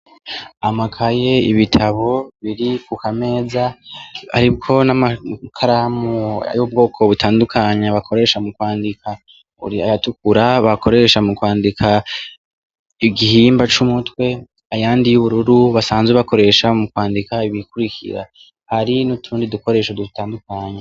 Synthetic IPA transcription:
amakʰaje̞iβitʰaβo̞βiɾikukame̞ːzaha̰ɾib̚ɡo̞namakʰaɾamua̰juob̚ɡo̞ːkʰo̞βutʰaːndukʰaɲaβakʰo̞ɾe̞ʃamukwaːndikʰa | ṵɾia̰jatukuɾaβakʰo̞ɾe̞ʃamukwaːndikʰa | iɡihiːmbat͡ʃumutwe̞ | ajaːndijuβuɾuɾuβasaːnzweβako̞ɾe̞ʃamukwaːndikaiβikuɾikʰḭɾa̰ | haɾinutʰuːndiduko̞ɾe̞ːʃodudutaːndukaɲa

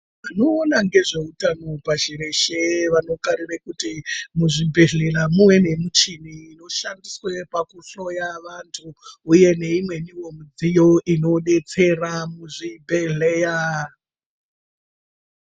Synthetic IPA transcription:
ano̞ːnaŋɡe̞ʐe̞utanopaʃiɾe̞ʃeʋano̞kaɾirekutimuʐibʱe̞ɮeramumwe̞ne̞mut͡ʃiniːno̞ʃandiswe̞pakuɬo̞jaʋantʰuːje̞ne̞imwe̞niwo̞mud͡zijo̞ʔino̞ɗe̞t͡se̞ramuʐibʱeɮeja

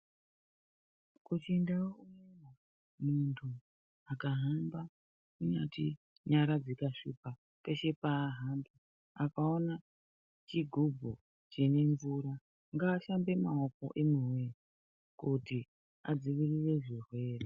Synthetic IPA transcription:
kut͡ʃindaoumena | muntʰu | akaɦamba | kuɲa̰tḭ | ɲaɾad͡zikaʂipa | ke̞ʃe̞paːɦamba | akao̞na | t͡ʃiɡʱubʱo | t͡ʃene̞ɱvuɾa | ŋɡaːʃambe̞maoko̞̰ʔemuweɾi | kuti | a̰d͡ziʋirire̞ʐirwe̞ːre

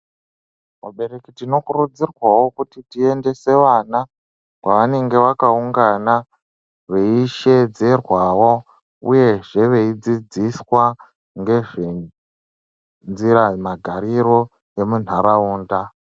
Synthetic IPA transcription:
kaɓe̞ɾe̞kitino̞kurud͡zirwawo̞kutitie̞nde̞se̞ʋana | kwaʋane̞ŋɡe̞ʋakauŋɡana | ʋe̞iʃe̞d͡ze̞rwawo̞ | ṵje̞ʐe̞ʋe̞id͡zid͡ziswa | ŋɡe̞ʐe | nd͡ziɾamaɡʱaɾiɾo̞ | e̞mun̤aɾauːnda

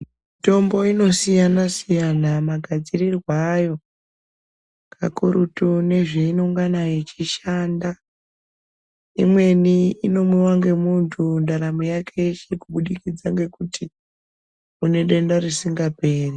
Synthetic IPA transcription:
ito̞mbo̞ino̞sijanasijanamaɡʱad͡zirirwaːjo̞ | kʰa̰kuɾutune̞ʐeinoŋɡanait͡ʃiʃaːnda | ḭmwe̞niino̞muwaŋɡe̞muntʰundaɾamujakʰe̞ʃekuɓuɗikid͡zaŋɡe̞kuti | une̞ɗe̞ndarisiŋɡape̞ːri

